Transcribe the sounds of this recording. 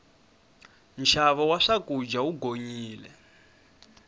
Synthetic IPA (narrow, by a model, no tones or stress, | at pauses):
nʃʰaβɔwaʂakʼud͡ʒauɡʱoɲiːlɛ̰